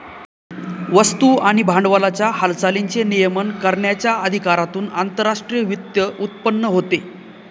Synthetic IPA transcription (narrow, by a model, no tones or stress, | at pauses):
ʋəst̪uːaɽ̃ibʱaɳɖʋəlat͡ɕjahalt͡saliɲt͡senijəmənkəɾɳjat͡ɕjaəd̪ʱikaɾat̪uːna̰nt̪əɾːaʂʈɾijəʋit̪jəʔut̪̚pənːəɦot̪e